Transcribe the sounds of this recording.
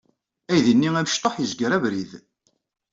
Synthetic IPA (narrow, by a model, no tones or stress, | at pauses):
æjðənːiæmʃt̪ˤoħjəzɡəɾævɾið